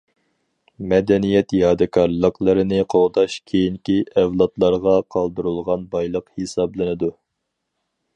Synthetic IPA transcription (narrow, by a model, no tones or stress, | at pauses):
mɛd̪ɛnijɛt̪jɑːd̪ɨkʰɑɾlˠəqlˠəɾɨnɨqʰoʁd̪ɑʃkʲʰejiŋkʲiʔɛvlˠɑt̪lˠɑɾʁɑqʰɑlˠd̪uɾulˠʁɑnbɑjlˠəqhesɑblˠɨnɨd̪u